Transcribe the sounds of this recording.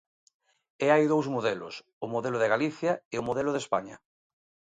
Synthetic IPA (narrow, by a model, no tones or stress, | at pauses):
eajðowzmoðelo̰s | ʊmoðeloðeɣaliθjaeʊmoðelʊð̞espa̰ɲɐ̰